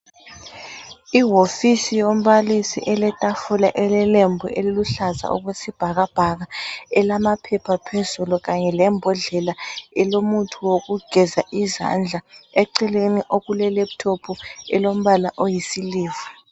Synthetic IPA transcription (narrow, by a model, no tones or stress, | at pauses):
iɦofisijom̩βalisḭʔɛlɛtʼafulaʔɛlɛlembʱuʔeliluɬaza̰ɔ̰ɣwesib̥ʱaɣab̥ʱaɣaɛlamapʰɛpʰapʰezuluɣaɲɛlɛmbʱɔɮɛlaɛlomutʰuwoɣuɡ̥ʱɛzaʔiza̰nd͡ɮʱaɛǃɛleniʔoɣulɛleβutʰopʰuɛlom̩βalaʔojisiliːvḁ